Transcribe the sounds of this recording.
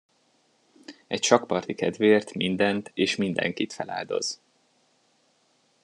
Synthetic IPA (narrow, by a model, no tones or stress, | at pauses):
ɛcʃɒkpɒrt̪ikɛd̪veːrt̪mind̪ɛnt̪eːʃmind̪ɛ̰ŋkit̪fɛla̰ːld̪o̞̰z̥